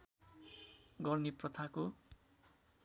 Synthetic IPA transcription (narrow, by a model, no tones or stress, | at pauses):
ɡʌrniprʌt̪ʰako